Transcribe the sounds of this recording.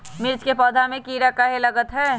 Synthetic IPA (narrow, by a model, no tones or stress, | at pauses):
mɪɾt͡ʃkepɔːd̪ʱamẽkiːɾakaɦelɐɡət̪ɦɛː